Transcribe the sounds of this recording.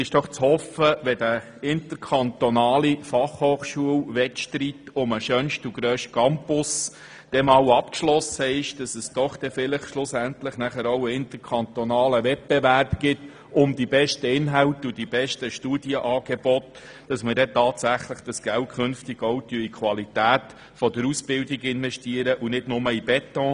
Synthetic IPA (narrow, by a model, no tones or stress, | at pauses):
ɪʃd̥ɔχt͡shɔfəʋɛdə | ɪntəɾkʰɑnt̪onɑːlifɑχhoːχʃuəwʋɛtʃtritʊməʃœnʃtuɡɾøːʃt̚kɑmpʊs | d̥ɛmɑːwɑpkʃlɔsəɪʃd̥ɑsəsd̥ɔχd̥ɛfɪləχʃlʊsænt̪ləχnæχəɾowəɪnt̪əɾkʰɑntɔnɑːləʋɛt̚b̥ɛvæɾbɡ̥ɪt | ʊmd̪ibɛʃtəɪnɦæwtudibɛʃtəʃtuːd̥iəʔɑːɡ̥ɛbɔt | d̥ɑsmədɛtɑːtsæχləχd̥ɑsɡ̥ælt̚kʰɵnftɪɡ̥ɔʊt̪yəikʰʋɑlitæːt̪ | fɔdəɾusb̥ɪldiɡɪnvɛʃtiəɾəʔunɪdnʊməibɛt̪ɔ̃ː